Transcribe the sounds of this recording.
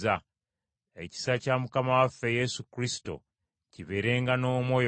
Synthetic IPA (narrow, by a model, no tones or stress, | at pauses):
a | e̞̰ci̥sacamukamawafːe̞je̞sukɾisto̞̰ | ciβe̞ɾe̞ːŋɡano̞ːmwo̞ːj